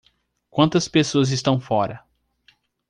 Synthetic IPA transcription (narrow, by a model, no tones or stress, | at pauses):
kwɐ̃nt̪ɐspesoɐzɪst̪ɐ̃w̃fɔɾɐ